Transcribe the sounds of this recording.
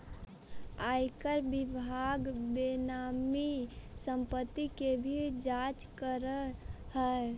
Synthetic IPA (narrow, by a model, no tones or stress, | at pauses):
ajkəɾbibʱaɡbenamisəmpət̪ːikebʱid͡ʒat͡ʃkəɾəhə